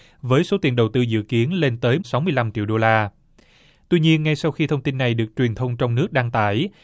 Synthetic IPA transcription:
vəː˨˦jso˨˦t̪i˨˩nɗə˨˩wt̪ɨ˧zɨ̰˧˨ki˨˦ənle˧nt̪əː˨˦jsa˨˦wmɨ˧əjla˧mt͡ɕḭ˧˨wɗo˧laː˧ | t̪wi˧ɲi˧ənŋa˧jsa˧wxi˧t̪ʰə˧wŋ͡mt̪i˧nːa˨˩jɗɨ˨˩ək̚t͡ɕwi˨˩ənt̪ʰə˧wŋ͡mt͡ɕɔ˧wŋ͡mnɨ˦˥ək̚ɗaː˧ŋt̪a̰ː˧˩j

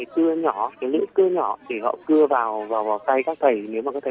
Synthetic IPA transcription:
t̪ɨ˧əɲɔ˧˩kaː˨˦lɨ̰˧˥əŋk̪ɨ˧əɲɔ˧˩ɗ̪e˧˨˩hɔ̰˧˨kɨ˧əvaː˨˩wvaː˨˩wvaː˨˩wt̪a˧jkaː˦˥k̚t̪ʰə˨˩jne˨˦wmaː˨˩kɔ˨˦t̪ʰː

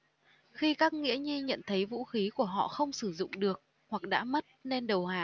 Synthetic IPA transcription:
xi˧kaː˦˥k̚ŋḭ˧˥əɲi˧ɲə̰˧˨nt̪ʰə˨˦jvṵ˧˥xi˨˦ku˧˩əɦɔ̰˧˨xə˧wŋ͡msɨ˧˩zʊ̰˧˨ŋ͡mɗɨ˨˩ək̚ | hwa˨˩k̚ɗa̰ː˧˥mə˦˥t̚ne˧nɗə˨˩whaː˨˩

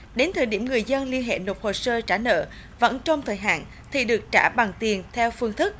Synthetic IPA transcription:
ɗe˨˦nt̪ʰəː˨˩jɗi˧˩əmŋɨ˨˩əjzə˧nli˧ənɦḛ˧˨no˨˩p̚ho˨˩səː˧t͡ɕaː˧˩nə̰ː˧˨ | və̰˧˥nt͡ɕɔ˧wŋ͡mt̪ʰəː˨˩jɦa̰ː˧˨n | t̪ʰḭ˨˩ɗɨ˨˩ək̚t͡ɕaː˧˩ɓa˨˩ŋt̪i˨˩ənt̪ʰɛ˧wfɨ˧əŋt̪ʰɨ˦˥k̚

